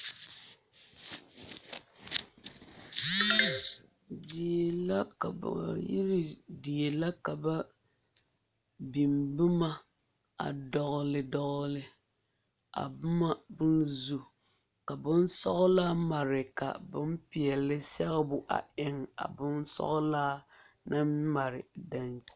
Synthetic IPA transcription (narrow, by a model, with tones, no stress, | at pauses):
di˨la˦ka˨ba̰˨jḭ˦ɾɪ˦di˨e˨la˦ka˨ba˦ | bi˨mbɪ˦ma˦ | a̰˨dɔ˨ɣʊ˦lɪ˦dɔ˦ɣʊ˦lɪ˦ | a̰˨bʊ˦ma˦bʊ˦nzu˨ | ka˨bʊ˦n˦sɔ˦ɣʊ˦laː˦ma˨ɾɪ˨ka̰˨bɨ˦m˦pɪ˨ɛ˨lɪ˦sɛ˦ɣɪ˦bʊ˨ʔa̰˨ɪ˦ŋa̰˨bʊ˦nsɔ̰˦ɣʊ˦laː˦ | na˦m˦ma˨ɾɪ˨da˦n